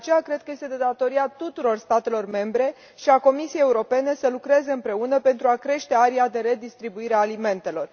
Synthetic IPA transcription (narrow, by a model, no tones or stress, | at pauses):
at͡ʃe̞jakɾe̞d̪̚kəje̞st̪e̞d̪ed̪at̪o̞ɾiat̪ut̪uɾo̞rst̪at̪e̞lo̞rme̞mbɾe̞ | ʃiako̞misijejːeuɾo̞pe̞ne̞səlukɾezeɨmpɾe̞unəpe̞nt̪ɾuakɾe̞ʃt̪e̞aɾiad̪e̞ɾe̞d̪ist̪ɾibuiɾeaːlime̞nt̪e̞lo̞r